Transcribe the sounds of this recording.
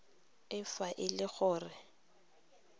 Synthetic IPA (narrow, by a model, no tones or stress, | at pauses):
ɪfaʔɪlɪɣʊːrɪ